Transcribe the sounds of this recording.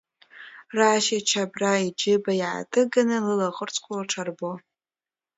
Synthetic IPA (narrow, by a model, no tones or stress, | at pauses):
raːʃat͡ʃʰabraid͡ʒɪbajʕa̰tʼɨɡanɨlɨlaχərt͡sʰʼkʷʰalaʈ͡ʂʰarbo